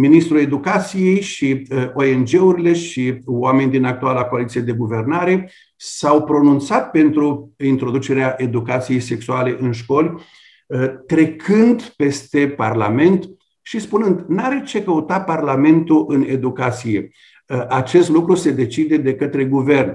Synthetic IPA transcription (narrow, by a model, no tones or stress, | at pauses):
minist̪ɾue̞d̪ukat̪sije̞jʃiʔo̞e̞nd͡ʒe̞uɾile̞ʃiwame̞nid̪inak̚t̪ualako̞alit̪sije̞d̪e̞ɡuve̞rnaɾe̞ | sawpɾo̞nunt̪sat̪̚pe̞nt̪ɾuint̪ɾo̞d̪ut͡ʃe̞ɾeaʔe̞d̪ukat̪sije̞jse̞ksuale̞ʔɨnʃko̞lʲ | t̪ɾe̞kʰɨnd̪pe̞st̪e̞pa̰rla̰me̞nt̪ | ʃispunɨnd̪naɾe̞t͡ʃe̞kəut̪aparlame̞nt̪uʔɨne̞d̪ukat̪sije̞ | ʔat͡ʃe̞st̪lukɾuse̞d̪e̞t͡ʃid̪e̞d̪e̞kət̪ɾe̞ɡuve̞rn